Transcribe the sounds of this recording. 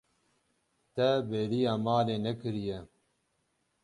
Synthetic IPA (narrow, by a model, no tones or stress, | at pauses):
t̪ɛbeːɾijaːmaːleːnɛkɨɾijɛ